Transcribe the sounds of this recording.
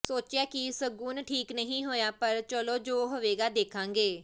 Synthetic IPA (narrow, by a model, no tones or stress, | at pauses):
soːt͡ʃjaːkɪsəɡuːnʈʰiːknəɦĩːɦoːjaːpəɾt͡ʃəloːd͡ʒoːɦoʋeːɡaːd̪eːkʰãːŋɡeː